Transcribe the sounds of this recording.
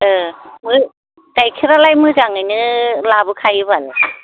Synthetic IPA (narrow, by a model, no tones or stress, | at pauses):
ɯmɯ | tajkʰiɾalajmɯzaŋajnɯlabɯkʰajɯbalɯ